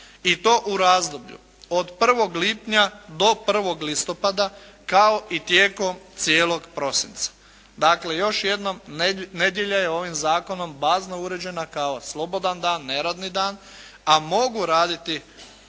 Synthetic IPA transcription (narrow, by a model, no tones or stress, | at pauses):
it̪o̞ːʔuɾaːzd̪o̞bʎṵ | od̪pr̩ʋo̞ɡlipɲad̪o̞pr̩ʋo̞ɡlist̪o̞pad̪a | kao̞ʔit̪jeːko̞mt̪sjeːlo̞ɡpɾo̞sḭnt̪sḁ | d̪akle̞jo̞ʃje̞d̪nomne̞d̪jeʎajeo̞ʋimzaːko̞no̞mbaːznouɾe̞d͡ʑe̞nakao̞slˠo̞bo̞d̪and̪aːnːe̞ɾad̪nid̪aːn | amo̞ɡuɾaːd̪it̪i